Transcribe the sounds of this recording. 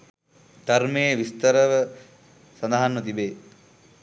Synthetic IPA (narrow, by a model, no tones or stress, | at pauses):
d̪̥ɐɾmejːʋist̪ɐɾɐʋə | sɐnd̪aɦanʋɐt̪̬ibeː